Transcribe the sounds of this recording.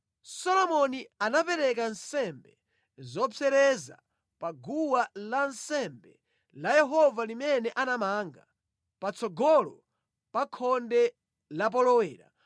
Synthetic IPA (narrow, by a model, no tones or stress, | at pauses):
sɔlɔmɔnianapɛɾɛk̬ansɛmbɛ | zɔpʰɛɾɛza̰ | paɡuwalansɛmbɛ̰ | lajɛɦɔvalimɛnɛʔanamaːŋɡa̰ | pat͡sʰɔɡɔlɔ | pakʰɔndɛ | lap̬ɔlɔwɛːɾa̰